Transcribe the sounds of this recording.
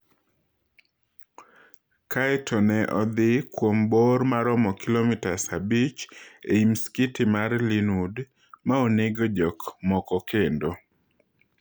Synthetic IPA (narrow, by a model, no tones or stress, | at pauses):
kʰaɛtʰɔnɛʔɔd̪ɪkwomboɾmaɾɔmɔkilomɪtasabit͡ʃeimskitɪmarlinud | maoneɡod͡ʒɔkmɔkɔkendo